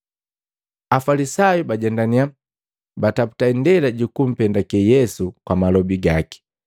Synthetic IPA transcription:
afalisajubaɟɛndania | batapu̥taindɛlaɟukum̩pɛndakɛjɛsukwamalɔbiɡaki̥

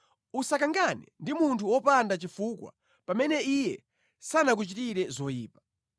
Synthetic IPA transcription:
usakaŋɡanɛ̰ndimuntʰuwɔpandat͡ʃifukwa̰ | pamɛnɛijɛ | sanak̬ut͡ʃitiɾɛzɔjiːpḁ

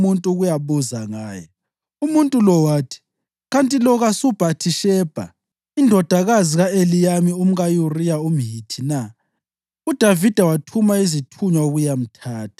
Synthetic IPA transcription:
muntʼuɣujaβuzaŋaːjɔ | umuntʼulɔwaːtʰi̥ | ɣantʼilɔɣasub̥ʱatʰiʃɛːb̥ʱa̰ | indʱɔd̥ʱaɣaziɣaelijamium̩ɣajurijaum̩ɦitʰina | ud̥ʱavid̥ʱawatʰumaizitʰuɲwauɣujam̩tʰaːtʰḁ

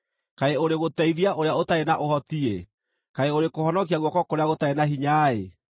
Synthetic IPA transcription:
kaeoɾeɣotɛiðiaʔoɾeaotaenaʔohɔtie | kaeoɾekohɔnɔkiaɣwɔkɔkoɾeaɣotaenaɦiɲaːe

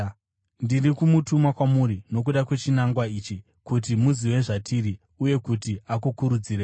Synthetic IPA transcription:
ndirikumutumakwamuɾino̞k̬uɗakwe̞t͡ʃinaŋɡwaiːt͡ʃi | kut̬imuziwe̞ʐatiɾi | uje̞kutiakukuɾud͡zire

